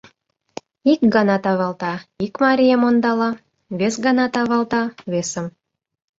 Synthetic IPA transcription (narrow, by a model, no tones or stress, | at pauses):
ikɡɑnɑt̪ɑβɑlˠt̪ɑikmɑɾʲijəmond̪ɑlɑ | βesɡɑnɑt̪ɑβɑlt̪ɑβesə̆m